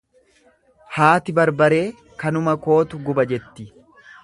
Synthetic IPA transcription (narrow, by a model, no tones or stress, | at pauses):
haːt̪ɪbɐɾbɐɾe̞ː | kɐnʊmɐko̞ːt̪ʊɡʊbɐd͡ʒɛt̪ːɪ